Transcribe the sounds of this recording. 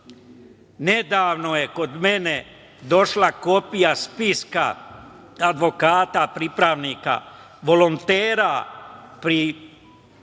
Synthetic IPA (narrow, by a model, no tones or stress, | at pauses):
ned̪aːʋno̞je̞ko̞d̪me̞ne̞ | d̪o̞ʃlako̞pijaspiska̰ | ad̪ʋo̞kaːt̪apɾipɾaʋniːka̰ | ʋo̞lont̪eːɾapɾi